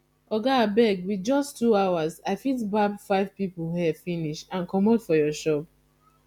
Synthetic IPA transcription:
ɔɡabɛɡwid͡ʒɔstːuawazaɪfitbabfaɪvpipl̩hɛfiniʃãnkɔmodfɔjɔʃɔp̚

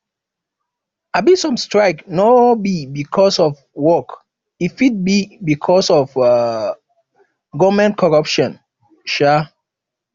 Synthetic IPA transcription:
abisɔ̃mstɹaɪknɔbibikʰɔsɔf | wɔk | ifit̚bibikʰɔsɔf | ɡɔvmɛ̃nt̚kʰɔɹɔpʃɔ̃n | ʃa

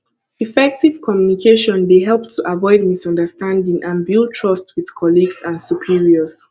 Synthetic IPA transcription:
ifɛk̚tiv̥kʰɔmjunikʰeʃɔ̃nbeɦɛlˠp̚tʰuʔavɔɪd̚misɔ̃ndəstãndĩŋʔãnbilˠtʰɹʌstwið̥kʰɔliɡsãnsupʰiɹiəz̥

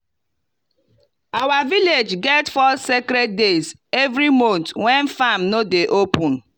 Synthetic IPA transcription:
awaviled͡ʒɡɛtfɔsekɾed̚dez | ɛvɾimõntwɛ̃nfamnodeʔopʊ̃n

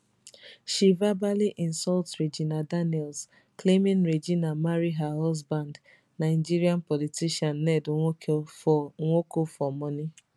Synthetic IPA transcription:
ʃivabaliʔinsɔltɾed͡ʒinadanɛls | klemɪ̃nɾed͡ʒinamaɾiɦaɦɔzband | naɪd͡ʒiɾianpɔlitiʃanːɛdʊ | ŋʷokofɔmɔni

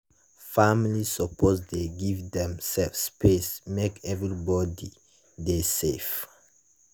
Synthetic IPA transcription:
famlisɔpʰɔsdeɡivdɛ̃msɛfspʰesmekɛvɹibɔdi | desef

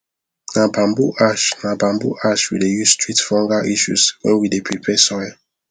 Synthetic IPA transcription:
nabãmbuʔaʃnabãmbṵʔaʃwḭdejusstɹitfɔ̃ŋɡaʔiʃṵswɛ̰̃widepʰepʰɛsɔj

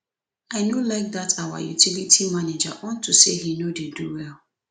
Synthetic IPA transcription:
aɪnolaɪk̚datʰawa̰jṵtilitʰimaned͡ʒa̰ʔɔ̃ntʰuseɦinodeduwɛl

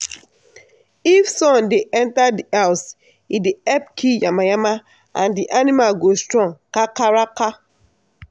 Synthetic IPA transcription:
ifsɔ̃ndeʔɛntadiaʊs | ideɛp̚kʰijamajama | a̰ndiʔanimalɡostɾɔ̃ŋkakaɾaka

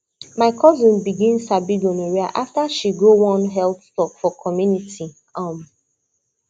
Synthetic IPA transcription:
maɪkʰɔzĩnbiɡĩnsabiɡɔ̃neɹiaʔaftaʃiɡowɔ̃nɦɛltstɔkfɔkʰɔmjunitʰi | am

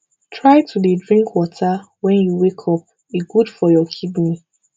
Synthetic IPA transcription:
tʰɹajtʰudedɹĩŋkʰwɔtʰa | wɛ̃njuwekʰɔp̚ | iɡudfɔjɔkʰibni

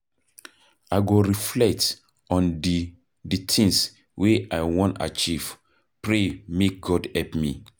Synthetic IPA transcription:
aɪɡoɹiflɛk̚t | ɔ̃ndi | ditʰĩŋs | wʔeaɪwɔ̃nta̰t͡ʃiv̥ | pɹemek̚ɡɔdhɛpmḭ

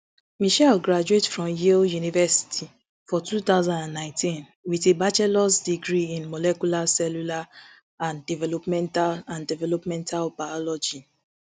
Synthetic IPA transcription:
miʃɛlɡɹad͡ʒuetfɹɔ̃mjeljunivɛsi̥tʰi | fɔtut̪aʊzãndãnːãɪ̃ntʰĩn | witebat͡ʃɛlɔsdiɡɹiĩnmɔlɛkulasɛlula | ãndivɛlɔpmɛ̃ntalãndivɛlɔpmɛ̃ntʰalbaɔlɔd͡ʒi

